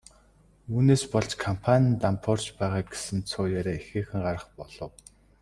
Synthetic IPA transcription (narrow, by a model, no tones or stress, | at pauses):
uːneːspɔɮt͡ɕkʰampʰanʲint̪ampʰɔr̥t͡ɕpæːʁaːɡe̥sɘ̆nt͡sʰʊːjaːɾeːexeːxɘ̆ŋɢaɾə̆χpɔɮ̥ɞ̆w